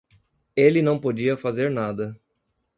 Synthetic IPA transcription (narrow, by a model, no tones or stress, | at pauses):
elɪnɐ̃w̃pod͡ʒiɐfazeɾnad̪ɐ